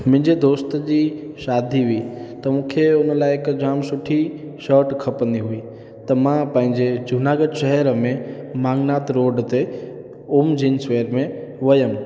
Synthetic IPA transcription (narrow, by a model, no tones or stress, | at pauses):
mɪ̃ɪ̃ɲd͡ʑed̪oːst̪d͡ʑi | ʃaːd̪ʱiɦʊiːt̪ɐmũːkʰeʊnəlaːɪekd͡ʑaːmsʊʈʰi | ʃəːʈkʰəpəniɦuiː | t̪ɐmãpə̃ɦɪ̃ɲd͡ʑed͡ʑʱʊnaːɡəɖʃəɦɛɾəmẽmãːŋnaːt̪ɾoːɖt̪e | ʊmd͡ʑiːnsʋeːɾmẽ | ʋəjəm